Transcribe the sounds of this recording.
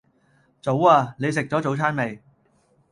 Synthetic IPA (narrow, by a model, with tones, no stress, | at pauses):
t͡so˨˥waː˧ne˨˧jsɪ˨k̚t͡sɔː˨˥t͡so˨˥wt͡sʰaː˥nme˨˧j